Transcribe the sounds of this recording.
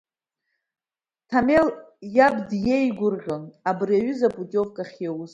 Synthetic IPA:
tʰameljabdjeiɡʷʊrʁʲonabriaɥʏzabʼutʼo̞vkʼaχʲawuz

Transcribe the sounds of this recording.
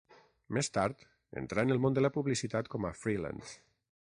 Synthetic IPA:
mest̪aɾt̪ | ḛnt̪ɾaenəlˠmõnd̪əlapuβlisit̪at̪kɔmafɾila̰ns

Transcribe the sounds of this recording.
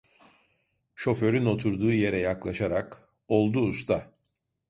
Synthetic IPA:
ʃo̞fø̞ɾyno̞t̪ʰuɾd̪uːje̞ɾɛjaklˠaʃaɾak | o̞lˠd̪uːst̪ʰa

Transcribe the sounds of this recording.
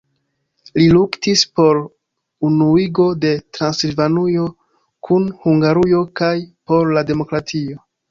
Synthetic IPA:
liluktispo̞ɾ | unuiɡo̞de̞tɾansilvanujo̞ | kʰunhuŋɡaɾujo̞kajpo̞ɾlade̞mo̞kɾatʰio̞

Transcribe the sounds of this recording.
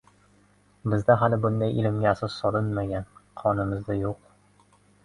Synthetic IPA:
bɘ̆zd̪æɦælɘbʊnd̪ɑjʔilɘ̆mɡʲæsɤzsɒlˠɤnmæɡʲænqʰɒnɤ̆mɤ̆zd̪ɑjuq

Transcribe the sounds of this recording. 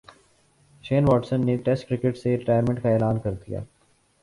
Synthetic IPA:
ʃeːnʋɔːʈsənːeʈɛsʈkɾɪkɪʈseɾɪʈaːjəɾmɛ̃ɳʈ̚kaɛːlaːnkɐɾd̪ija̰ː

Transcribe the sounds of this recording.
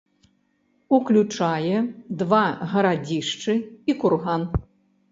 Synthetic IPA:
uklʲut͡ʂajɛd̪vaɣɐɾad͡zʲiʂt͡ʂɨikurɣan

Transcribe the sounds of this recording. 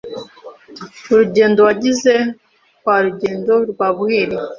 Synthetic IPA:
ɾuɟeːndowaɟize | kwaɾuɟeːndoɾɡwaβuheːɾi

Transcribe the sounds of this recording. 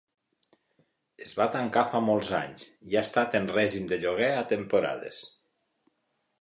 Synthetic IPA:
ezβat̪aŋkafamɔlˠza̰ɲziaest̪at̪enrɛʒimd̪eʎoɣɛat̪empuɾa̰ðḛs

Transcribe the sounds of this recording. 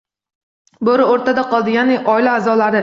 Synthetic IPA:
boɾɪoɾt̪ad̪aqɒlˠd̪ɪjanɪʔɒɪlaːzɒlaɾɪ

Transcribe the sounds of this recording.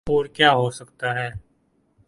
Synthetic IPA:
uːɾkjaːɦosəkt̪aɦɛː

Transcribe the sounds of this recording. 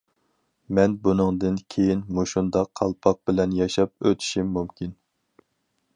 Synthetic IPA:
mɛnbunɨŋd̪ɨnkʲʰejinmuʃund̪ɑqʰːɑlˠpʰɑq̚bɪlɛnjɑʃɑp̚øt̪ʰi̥ʃimːumkʲin

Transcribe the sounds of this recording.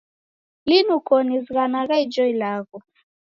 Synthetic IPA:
linukɔnizɣanaɣaid͡ʒɔilaɣɔ

